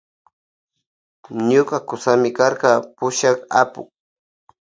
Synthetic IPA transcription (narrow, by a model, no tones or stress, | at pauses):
ɲʊkakʊsamɪkaɾqɑpʊʃaka̰pʊ̰k̚